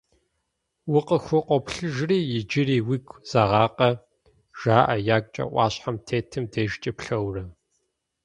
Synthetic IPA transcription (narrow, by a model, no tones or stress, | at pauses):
wʊqʼəxʷʊqʷɔpɬɨʒriːjɪd͡ʒɪɾiːwɪɡʷz̥aːʁɑːqʼɐ | ʒ̥aːʔɐjaːkʷʼt͡ʃʼɐ̰ʔʷʼɑ̰ːɕħamtʰeːtʰɨmdɐʒt͡ʃʼɐpɬɐwrɐ